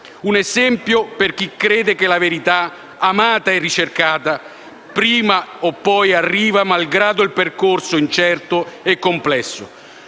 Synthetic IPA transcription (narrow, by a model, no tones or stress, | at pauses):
unɛzɛmpjoperk̟ikɾeːd̪ekelaveɾit̪a | amaːt̪aɛrːit͡ʃerkaːt̪a | pɾiːmaopːɔjarːiːvamalɡɾaːd̪ʊilperkorsʊint͡ʃɛrt̪ʊɛkːomplɛsːʊ̰